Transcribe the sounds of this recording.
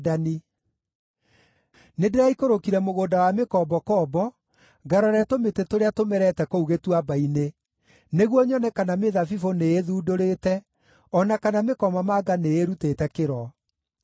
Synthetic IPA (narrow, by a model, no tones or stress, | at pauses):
dani | nedeɾaikoɾokiɾɛmoɣoːdawamekɔbɔkɔːbɔ | ɡaɾɔɾɛtometetoɾeatomɛɾɛtɛkouɣetwabaine | neɣwɔɲɔnɛkanameðafifoneːðuːdoɾetɛ | ɔnakanamekɔmamaɡaneeɾutetɛkeɾɔ